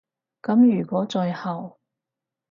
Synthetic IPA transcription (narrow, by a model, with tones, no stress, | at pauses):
kɐ˨˥mjyː˨˩kʷɔː˨˥t͡sɔː˧jhɐ˨˩w